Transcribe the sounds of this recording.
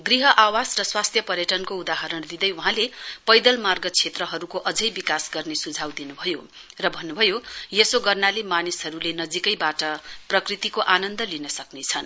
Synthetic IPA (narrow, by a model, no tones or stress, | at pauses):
ɡriɦʌʔawasrʌswast̪ʰjʌpʌɾjʌʈʌnkoud̪aɦʌɾʌɽ̃d̪id̪ʌjuɦãlepʌjd̪ʌlmarɡʌt͡sʰet̪rʌɦʌɾukoʔʌd͡zʌjbikasɡʌrnesud͡zʱawd̪inubʱʌjo | rʌbʱʌnːubʱʌjojesoɡʌrnalemanisɦʌɾulenʌd͡zikʌjbaʈʌprʌkrit̪ikoʔanʌnd̪ʌlinʌsʌknet͡sʰʌn